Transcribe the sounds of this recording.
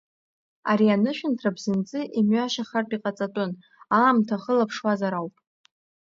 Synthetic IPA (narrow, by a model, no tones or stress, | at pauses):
aɾianɨʃᶣɪntʰrabzɨnt͡sʼɨʔimɥaʃaχartʼiqʼat͡sʼatʼʊn | aːmtʰaχəlapʰʂwazaɾawpʼ